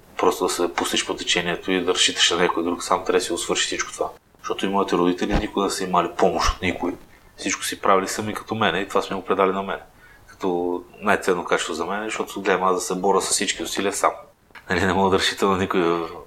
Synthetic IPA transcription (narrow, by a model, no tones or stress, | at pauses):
pɾɔst̪od̪ɐsɛpust̪ɛʃpot̪ɛt͡ʃɛniɛt̪oid̪ɐɾɐsʃit̪ə̥ʃnɐnʲɛkojd̪ɾuksamt̪ɾɛsiʊsvɤɾʃi̥sit͡ʃko̥t̪ova | ʃt̪ɔt̪ʊimɔit̪ɛɾod̪it̪ɛlinikʊɡnɛsəimalipɔmoʃt̪o̥t̪nikʊi | fsit͡ʃkʊ̥sipɾavilisɐmikɐ̥t̪ɔmɛnɛit̪ovasmiɛɡopɾɛd̪alinɐmɛnɛ | kɐ̥t̪ɔnajt̪sɛnːokat͡ʃɪ̥st̪ozɐmɛnɛzʃt̪ɔt̪oɡlɛmad̪ɐsɛbɔɾʲəsɐ̥ssit͡ʃkiʊsiliəsa̰m | nɐlinɛmɔɡˠəd̪ɐɾɐsʃi̥t̪ənɐnikʊji